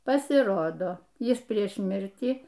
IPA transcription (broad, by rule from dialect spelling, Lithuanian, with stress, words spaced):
pɐsʲɪˈroːdoː ˈjɪs ˈpʲrʲiɛʃ ˈmʲɪrʲtʲiː